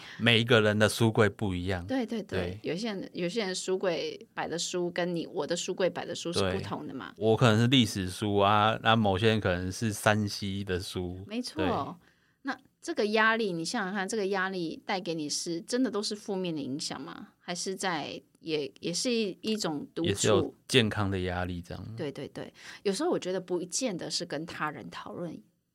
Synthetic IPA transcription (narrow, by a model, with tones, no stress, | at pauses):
me˨˩ɪi˨˦ɡə˨ɻə˧˦nd̪ə˧su˦kwe˥˧ɪpu˥˩i˧˥jɑ˥˩ŋt̪we˥˧ɪt̪we˥˧ɪt̪we˥˩ɪjo˨˩ʊɕ̬jɛ˥ɻə˧˦njo˨ʊɕ̬jɛ˥ɻə˧˦˧ʂu˥kwe˥˩ɪpa˨˩ɪd̪ə˩˦ʂu˥kə˦nnḭ˨˩wɔ˨˩d̪ə˦ʂu˥kwe˥˩ɪpa˨˩ɪd̪ə˦ʂu˥ʂɻ̩˥e˥˩pu˥t̪ʰʊ˧˦ŋd̪ə˨ma̰˩wɔ˧˦kʰə˨˩nə˧˦ŋʂɻ̩˥˧li˥˩ʂɻ̩˨˩ʂu˦˥a˨˦na˥˨mo˨˩ʊɕjɛ˥ɻə˧˦nkʰɤ˨˩nə˧˦ŋʂɻ̩˥˩sa˦nɕi˦d̪ə˨ʂu˦me˧˥ɪt͡sʰwwe˥˩˥ | na˥˨ | ʈ͡ʂɤ˥˩ɡə˨˩ja˥li˥˩ni˨˩ɕjɑ˥˩ŋɑ˨˩kʰa˥˧nʈ͡ʂɤ˥˩ɡə˩ja˦˥li˥˩t̪a˥˩ɪke˧˥ɪni˨˩ʂɻ̩˥˩ʈ͡ʂə˦nd̪ə˨t̪o˥ʊʂɻ̩˥˧fu˥˧mjɛ˥˩nd̪ə˩i˧˥ŋɕjɑ̰˨˩ŋma̰˩xa˧˥ɪʂɻ̩˥˧t͡sa˥˩ɪ | jɛ˨˩jɛ˨˩ʂɻ̩˥˧i˥˩ʈ͡ʂʊ˨˩ŋt̪u˧˨ɛ˨ʂɻ̩˥˩jo˨˩t͡ɕjɛ˥˨nkʰɑ˦ŋd̪ə˨ja˦li˥˩ʈ͡ʂjɑ̰˥˩ŋt̪we˥˧ɪt̪we˥˧ɪt̪wḛ˥˩ɪjo˨˩ʊʂɻ̩˧xo˥˩wɔ˨t͡ɕɥɛ˧˥d̪ə˧pu˧˥t͡ɕjɛ˥˩nd̪ə˨ʂɻ̩˥˩kə˦nt̪ʰa˥ɻə̰˧˦nt̪ʰɑ˨˩ʊlwə˥˩n